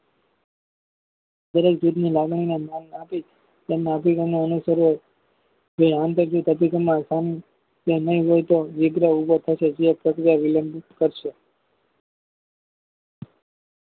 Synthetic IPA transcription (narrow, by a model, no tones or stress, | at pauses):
d̪əɾek̚d͡ʒud̪nilaɡɳ̃inamannapi | t̪emneəpikemneənusəɾɦoj | d͡ʒeãnt̪əɾd͡ʒut̪əpikəmãsan | t̪enəɦĩɦojt̪oʋɪɡɾəubot̪ʰəʃed͡ʒiapɾəkɾijaʋɪləmbkəɾʃe